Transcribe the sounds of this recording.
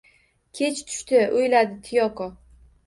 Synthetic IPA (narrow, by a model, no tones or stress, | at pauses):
kʲʰe̞t͡ʃt̪ʰʊ̥ʃt̪ɪojlad̪ɪt̪ʰɪjɒkɒ